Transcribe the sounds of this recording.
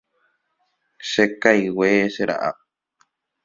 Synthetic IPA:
ʃekajweʃeɾa̰ʔa̰p̚

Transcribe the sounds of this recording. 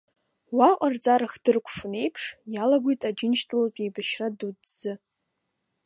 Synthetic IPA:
waqʼart͡sʼaɾaχd̥ɨrkʷʼʰʂʊne̞jpʰʂjalaɡʷojtʼad͡ʒɪnʃtʼulapʲʼejbaʃradudd͡zɨ

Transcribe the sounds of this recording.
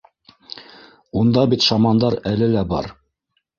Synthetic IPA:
und̪ɑbit̪ʃɑmɑnd̪ɑɾælɘlæbɑ̰ɾ

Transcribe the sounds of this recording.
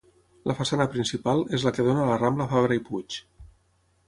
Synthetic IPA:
lʔəfasanəpɾinsipalˠezləkəðonələrambləfaβɾəiput͡ʃ

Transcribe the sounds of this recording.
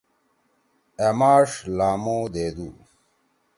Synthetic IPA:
emaːʂlaːmoːd̪eːd̪uː

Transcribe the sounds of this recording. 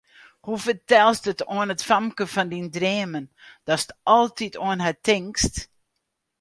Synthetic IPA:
hufərtɛlˠstətoənətfɑmkəfɔndindreːmən | d̥ɔstɔlˠtitʰoənɦatɪŋkst

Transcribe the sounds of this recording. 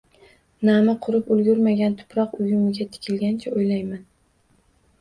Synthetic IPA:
namɪqʰʊɾɪpʊlɡʲʊɾmaɡʲant̪ʰʊ̥pɾɒqʊjʊmɪɡʲat̪ʰɪ̥kʲʰɪlɡʲant͡ʃʰaojlajman

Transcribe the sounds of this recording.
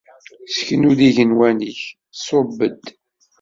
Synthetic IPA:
skənuðiʝənwæniç | sobəd̪

